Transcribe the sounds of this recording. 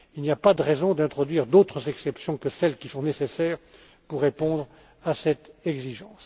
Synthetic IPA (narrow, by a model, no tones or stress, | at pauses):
ilnijapad̪əʁɛzɔ̃d̪ɛ̃t̪χɔd̪ɥiʁd̪ot̪χəzɛksɛpsjɔ̃kəsɛlkʲisɔ̃nesesɛːʁ | puʁːepɔ̃d̪ʁ | asɛt̪ɛɡziʒɑ̃s